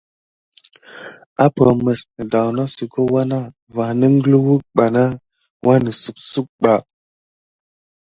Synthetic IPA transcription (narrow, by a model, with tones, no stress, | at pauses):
a˦pə˨mə˨snə˨da˨na˦si˨kʰo˦wa˦na˦ | va˨nə˦ŋ˦ɡə˦lwu˦k̚ɓa˨na˦ | wʔa˦nə˨su˨k̚su˦k̚ɓa˨